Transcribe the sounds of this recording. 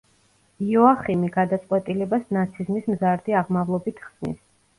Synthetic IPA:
iɔaχimiɡad̪at̪sʼqʼwɛt̪ʼilɛbasnat̪sʰizmismzaɾd̪iaʁmavlˠɔbit̪ʰχsnḭs

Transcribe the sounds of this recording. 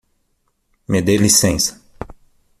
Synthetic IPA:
med̪elisẽsɐ̥

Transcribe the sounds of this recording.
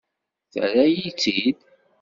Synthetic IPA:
θə̰ɾæjit͡sːid̪

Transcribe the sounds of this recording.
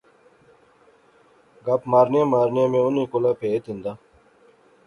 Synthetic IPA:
ɡapmaːɾnjãːmaːɾnjãːmẽːʊnĩːkʊlaːpʰeːet̪ĩnd̪aː

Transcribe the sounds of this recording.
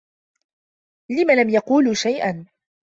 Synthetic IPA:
lɪmalamjɑquːlʃajʔan

